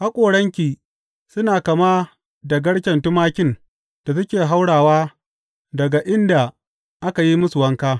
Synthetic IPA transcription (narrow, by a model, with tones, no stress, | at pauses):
ha˦kʷʼoː˨ɽɐ˦ŋkʲiː˨ | sʊ˦naː˨kɐ˨maː˦ | dɐ˨ɡɐ˦ɽkʲɐ˨ntʊ˦maː˦kʲɪ˦˨n | d̥a˨sɐ˦kʲeː˨ɦa˦wɽaː˨waː˦ | dɐ˨ɡa˨ʔɪ˦nda˨ | ʔa˦ka˨ji˦mʊ˦sʊ˨wɐ˦ŋkaː˦